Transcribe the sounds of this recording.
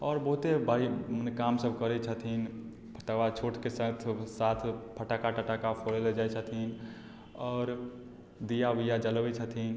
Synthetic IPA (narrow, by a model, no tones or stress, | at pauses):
ɔːɾbəɦut̪ebainkamsəbʱkəɾɛt͡ʃʰət̪ʰin | pʰəʈawat͡ʃʰoʈkesə̃t̪ʰsat̪ʰpʰəʈakaʈəʈakapʰoɽeled͡ʒat͡ʃʰət̪ʰin | ɔːɾ | d̪ijaʋijad͡ʒəlʋɛt͡ʃʰət̪ʰin